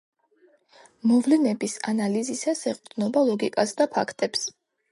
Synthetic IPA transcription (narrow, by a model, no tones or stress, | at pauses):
mɔvlinɛbisanalizisasɛqʼd̪nɔbalˠɔɡikʼasd̪apʰa̰kʰt̪ʼɛps